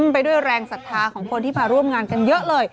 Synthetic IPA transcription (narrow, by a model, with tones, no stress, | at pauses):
mpa˧jdu˥˩əjɾɛː˧ŋsa˨˩˥t̪ʰːaː˧kʰɔː˩˦ŋkʰo˧nt̪iː˥˩maː˧ɾu˥˩əmŋaː˧nka˧njɤ˦˥ʔlɤː˧j